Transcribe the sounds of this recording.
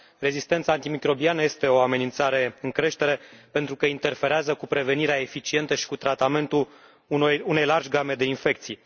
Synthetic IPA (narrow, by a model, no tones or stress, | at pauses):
re̞zist̪e̞nt̪saːnt̪imikɾo̞bianəje̞st̪e̞o̞ame̞nint̪saɾe̞ɨŋkɾe̞ʃt̪e̞ɾe̞pe̞nt̪ɾukəint̪e̞rfe̞ɾeazəkupɾe̞ve̞niɾeae̞fit͡ʃie̞nt̪əʃi̥kut̪ɾat̪ame̞nt̪ul | unojune̞jlarʒɡame̞d̪e̞infe̞k̚t̪sij